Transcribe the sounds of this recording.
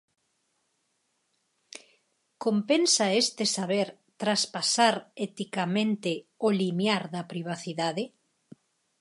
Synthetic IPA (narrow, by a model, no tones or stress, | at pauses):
kompensaest̪esaβeɾ | t̪ɾaspasaɾɛt̪ikamẽnt̪eolimjaɾðɐpɾiβ̞aθiðaðe